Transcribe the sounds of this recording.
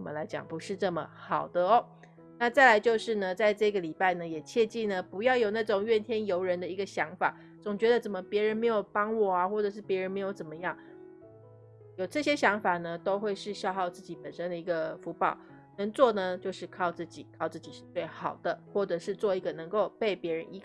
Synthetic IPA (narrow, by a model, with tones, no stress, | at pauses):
mə̰˦nla˧˥ɪt͡ɕjɑ̰˨˩ŋpu˧˥ʂɻ̩˥˧ʈ͡ʂɤ˥˩mə̰˩xɑ˨˩ʊd̪ə˦ɔ˦ | na˥˧t͡sa˥˩ɪla˧˥ɪt͡ɕjo˥˧ʊʂɻ̩˥˩nə˨t͡sa˥˧ɪʈ͡ʂɤ˥˧ɡə˨li˨˩pa˥˩ɪnə˩jɛ˨˩t͡ɕʰjɛ˥˧t͡ɕi˥˩nə˩pu˧˥jɑ˥˩ʊjo˨˩ʊna˥˩ʈ͡ʂʊ˨˩ŋɥɛ˥˩nt̪ʰjɛ˥njo˧˥ʊɻə˧˥nd̪ə˨i˧˥ɡə˧ɕjɑ˧˥ŋfa̰˨˩˦ | t͡sʊ˨˩ŋt͡ɕɥɛ˧˥d̪ə˧t͡sə˨˩nmə˦pjɛ˧˥ɻə˧˦nme˧˥ɪjo˨˩ʊpɑ˥ŋwɔ˨˩a˦xwɔ˥˩ʈ͡ʂɤ˨˩ʂɻ̩˥˩pjɛ˧˥ɻə˧nme˧˥ɪjo˧˥ʊt͡sə˨˩nmə˦jɑ˥˩ŋ | jo˨˩ʊʈ͡ʂɤ˥˩ɕjɛ˥ɕjɑ˧˥ŋfa˨˩nə˦t̪o˥ʊxwe˥˧ɪʂɻ̩˥˧ɕjɑ˥˧ʊxɑ˥˧ʊt͡sɹ̩˥˩t͡ɕi˨˩pə˨˩nʂə˥nd̪ə˨i˧˥ɡə˧fu˧˥pɑ˨˩˦ʊ | nə˧˥ŋt͡swɔ˥˩nə˧t͡ɕjo˥˧ʊʂɻ̩˥˧kʰɑ˥˧ʊt͡sɹ̩˥˩t͡ɕi˨˩kʰɑ˥˧ʊt͡sɹ̩˥˩t͡ɕi˨˩ʂɻ̩˥˧t͡swe˥˩ɪxɑ˨˩ʊd̪̥ə˦xwɔ˥˩ʈ͡ʂɤ˨˩ʂɻ̩˥˧t͡swɔ˥˩i˧˥ɡə˨nɤ˧˥ŋko˥˧ʊpe˥˩ɪpjɛ˧˥ɻə˧˥ni˧˥